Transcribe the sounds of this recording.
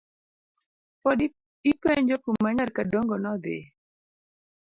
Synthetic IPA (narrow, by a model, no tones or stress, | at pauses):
pɔd | ipeɲd͡ʒokummːaɲarkadoŋɡɔnɔd̪ɪ̰